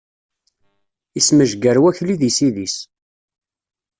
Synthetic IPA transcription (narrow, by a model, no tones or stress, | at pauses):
isməʒɡəɾwæçliðisiðis